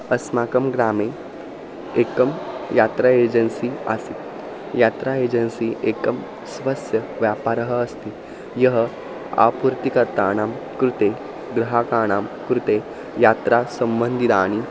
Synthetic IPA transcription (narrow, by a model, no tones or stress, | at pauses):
əsmakəmɡɾame | ekəmjat̪ɾaed͡ʑənsiːa̰siːt̪ | jat̪ɾaed͡ʑənsiʔekəm | sʋɐsjə | ʋjapaɾəɦəːst̪iː | jəɦə | a̰puɾt̪ikəɾt̪aːɽ̃amkɾut̪e | ɡɾɐɦakaːɽ̃aːmkɾut̪e | jat̪ɾasəmbənd̪ʱit̪aːɽ̃i